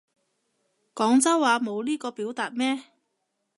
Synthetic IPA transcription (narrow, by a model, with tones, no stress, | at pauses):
kɔː˨˥ŋt͡sɐ˥wːaː˨˧mo˨˧wliː˥kɔː˧piː˨˥wt̪aː˨t̚mɛː˥